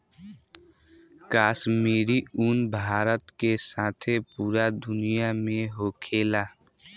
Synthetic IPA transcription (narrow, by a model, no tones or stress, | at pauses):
kaːsmiːɾiunbʱaːɾət̪kesaːt̪ʰepuːɾad̪ʊnijamẽɦoːkʰeːla